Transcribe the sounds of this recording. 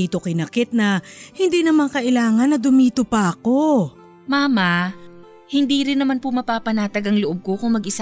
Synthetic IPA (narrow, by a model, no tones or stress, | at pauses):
iːt̪o̞kɪnɐkɪt̪̚nɐhɪnd̪iːnɐmaŋkɐʔɪlaːŋɐnːɐd̪ʊmiːt̪opɐʔɐko̞ | maːmɐ | hɪnd̪iːɾɪnːɐmanpʊmɐpaːpɐnaːt̪ɐɡɐŋloʔob̚ko̞kʊŋmɐɡʔɪs